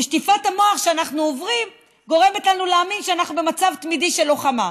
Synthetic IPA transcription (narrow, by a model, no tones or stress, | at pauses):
eʃtifatamo̞aχʃeanaχnuovʁim | ɡo̞ʁe̞metlanuleaminʃeanaχnube̞mat͡savt̪midiʃelo̞χama